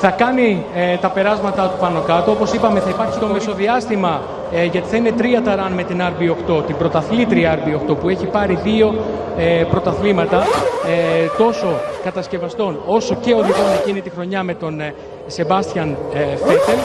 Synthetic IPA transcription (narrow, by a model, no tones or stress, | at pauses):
θɐkɐnit̪ɐpe̞ɾɐzmɐt̪ɐt̪upɐno̞kɐt̪oopo̞sipɐme̞θɐipɐɾçit̪o̞miso̞ðiɐst̪imɐ | ʝɐt̪i̥θɐine̞t̪ɾiɐt̪ɐɾɐnme̞t̪inɐɾbioxt̪o̞t̪ibɾo̞t̪ɐθlit̪ɾiɐɾbioxt̪o̞pue̞çipɐɾiðio̞ | epɾo̞t̪ɐθlimɐt̪ɐ | t̪o̞so̞kɐt̪ɐsce̞vɐst̪ono̞so̞ce̞o̞ðiɣo̞ne̞cinit̪ixɾo̞ɲɐme̞t̪o̞n | se̞bɐst̪çɐnfet̪el